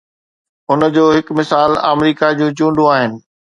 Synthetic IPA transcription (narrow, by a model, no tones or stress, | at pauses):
ʊnəd͡ʑoːɦɪkmɪsaːla̰ːmɾiːkad͡ʑũːd͡ʑũːɳɖõaːɦɪnɪ̆